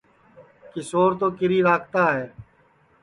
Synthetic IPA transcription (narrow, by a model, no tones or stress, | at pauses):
kɪsoːɾt̪oːkɪɾiːɾaːkt̪aːɦɛː